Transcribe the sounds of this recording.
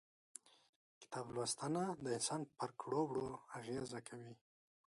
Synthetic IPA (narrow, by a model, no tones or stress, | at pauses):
kɪ̥t̪ɑblwast̪anad̪əɪnsɑnpəɾkɽobɽoaɣezakʰawi